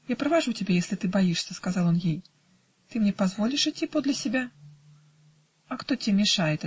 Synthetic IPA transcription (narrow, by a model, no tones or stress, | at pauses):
japɾɐvaʐut͡sʲabʲɛjɛsʲlʲit̪ɨbajiʂsʲɐskazalˠjɔnjij | t̪ɨmnʲɛpazvɔlʲiʂɨt͡sʲːipɔd̪lʲɐsʲabʲa | ɐxt̪ɔt͡sʲɛmʲɛʂajɛt̪